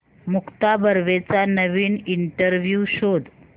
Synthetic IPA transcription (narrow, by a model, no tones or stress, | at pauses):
mukt̪abəɾʋet͡sanəʋiːniɳʈəɾʋjuɕod̪